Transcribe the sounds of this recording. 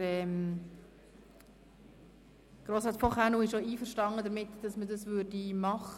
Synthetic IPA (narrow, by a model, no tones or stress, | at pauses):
ɛːm | ɡ̥ɾoːsɑt͡spʰoχanuɪʃoiːfəɾʃtɑnːəd̪əɾmɪtd̥ɑsmədɑsʋʉɾdimɑχə